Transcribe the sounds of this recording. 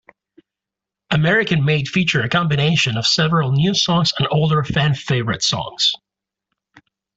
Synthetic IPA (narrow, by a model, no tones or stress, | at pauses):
ɨmɛɹɨkɨ̃nmeɪd̥fit͡ʃə˞ɨkʰɑ̃mbɨñeɪʃɨ̃nʌv̥sɛvəɹl̩ˠnjʉsɔ̃ŋz̥ə̃noʊlˠdə˞fæ̃nfeɪvə˞ɨ̰tsɔ̰̃ŋz̥